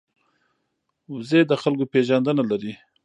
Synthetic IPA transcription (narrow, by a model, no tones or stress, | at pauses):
wzed̪əxalkopeʒand̪ənalaɾi